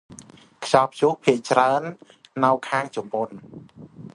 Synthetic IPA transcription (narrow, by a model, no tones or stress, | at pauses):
kʰjɑːpʰt͡ɕuhpʰiəʔt͡ɕraənː | ɨwkʰaːŋt͡ɕumpon